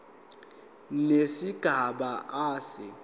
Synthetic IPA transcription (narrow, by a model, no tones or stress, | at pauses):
nesiɡ̥ʱaɓaʔaːsɪ